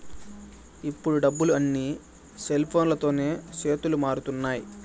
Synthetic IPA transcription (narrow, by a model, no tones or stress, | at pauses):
ipːuɽuɖɐbːuluɐnːiː | selpʰo̞ːnlɐt̪o̞ːne̞ːt͡ʃe̞ːt̪ulumaːɾut̪unːaːji